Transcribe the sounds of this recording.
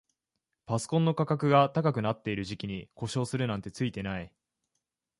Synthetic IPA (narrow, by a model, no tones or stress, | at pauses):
paso̥kõ̞nːo̞kakakɯ̟ɡat̪akak̬ɯ̟nat̪ːe̞iɾɯ̟ʑikʲiɲ̟iko̞ɕo̞ːsɨɾɯ̟nãnt̪e̞t͡sɨit̪e̞nai